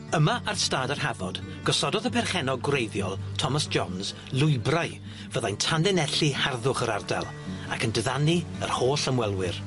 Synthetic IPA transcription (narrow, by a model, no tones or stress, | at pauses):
əmaʔarstaːdarhavɔd̥ɡ̥ɔsɔdɔðəpʰɛrχɛnɔɡwrejðjɔlˠtʰɔmasd͡ʒɔnz | lˠʊjbraj | vəðajntʰandɛnɛɬiharðʊχəɾarda̰lˠ | a̰kʰəndɪðaniərhoːɬəmwɛlˠwɪr